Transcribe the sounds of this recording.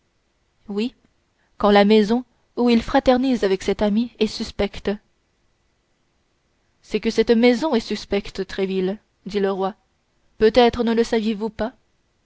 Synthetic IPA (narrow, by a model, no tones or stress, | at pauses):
wi | kɑ̃lamɛzɔ̃ | uilfχat̪ɛʁnizavɛksɛt̪amiɛsyspɛkt̪ | sɛkəsɛt̪mɛzɔ̃ɛsyspɛkt̪t̪χɛvil | d̪iləʁwa | pøt̪ɛt̪χənələsavjevupa